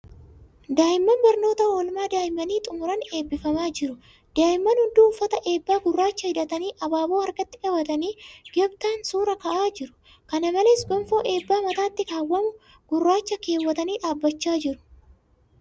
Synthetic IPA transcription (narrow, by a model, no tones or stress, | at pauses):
d̪aːjɪmːɐnbɐɾno̞ːt̪ɐoːlmaːd̪aːjɪmːɐniːt̪ʼʊmʊɾɐne̞ːbːɪfɐmaːd͡ʒɪɾʊ | d̪̥aːjɪmːɐnhʊnd̪uːfːɐt̪ɐʔe̞ːbːaːɡʊrːaːt͡ʃːɐhɪd̪ɐt̪ɐniːʔɐbaːboːɐɾɡɐt̪ːɪᶑɐwɐt̪ɐniːɡɛbt̪aːnsuːɾɐkɐʔaːd͡ʒɪɾʊ̥ | kɐnɐmɐleːsɡɔmfoːʔe̞ːbːaːmɐt̪aːt̪ːɪkaːwːɐmʊ | ɡ̥ʊrːaːt͡ʃːɐke̞ːwːɐt̪ɐniːᶑaːbːɐt͡ʃːaːd͡ʒɪɾʊ̥